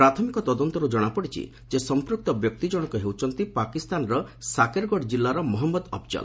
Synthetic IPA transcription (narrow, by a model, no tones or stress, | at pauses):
ɾat̪ʰɔmikɔt̪ɔd̪ɔnt̪ɔɾud͡ʒɔɽ̃apɔɽit͡ʃʰḭ | d͡ʒesɔmpɾuk̚t̪ɔbjɔk̚t̪id͡ʒɔɽ̃ɔkɔɦewt͡ʃʰɔnt̪ipakist̪anɔɾɔsakeɾɡɔɽd͡ʒilːaɾɔmɔɦɔmːɔd̪ɔbd͡ʒɔ̰l